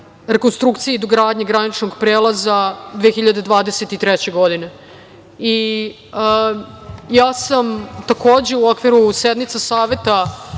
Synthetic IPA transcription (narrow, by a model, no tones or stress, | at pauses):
ɾekonst̪ɾukt̪sijeid̪oɡɾaːd̪ɲeɡɾanit͡ʃnoɡpɾeːlazad̪ʋexiʎad̪e̞d̪ʋaːd̪eset̪it̪ɾɛt͡ɕe̞ɡod̪ine̞ | i | ə | jaːsamt̪ako̞ːd͡ʑe̞uo̞kʋiɾused̪nit̪sasaːʋe̞t̪a